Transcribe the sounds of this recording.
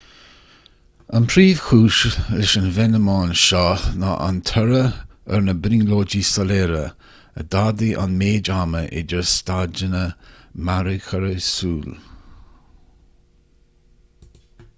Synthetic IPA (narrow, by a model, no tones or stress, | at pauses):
ənpʰɾiːv̥xʰuːʃlɪʃənvɛnəmaːnʃɔːnaʔa̰nt̪ʰəɾəə̰ɹnəbɾiːloːd͡ʒisəleːɾə̰ | ə̰d̪ad̪iʔa̰nmeːd͡ʒaːməʔɪ̰d͡ʒəstad͡ʒənəmaɾəkʰəɾəsuːl